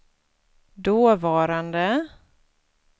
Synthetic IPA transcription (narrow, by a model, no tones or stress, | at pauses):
d̪oːvɑːɾand̪ə